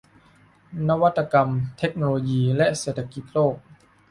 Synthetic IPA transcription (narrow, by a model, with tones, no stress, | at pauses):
na˦˥wa˦˥t̪ːa˧ka˧mt̪ʰe˦˥k̚noː˧loː˧jiː˧lɛ˦˥ʔseː˨˩t̪ʰːa˧ki˨˩˦t̪̚loː˥˩k̚